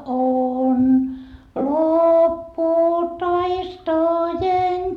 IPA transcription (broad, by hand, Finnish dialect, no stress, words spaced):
on lopːuː tɑistojen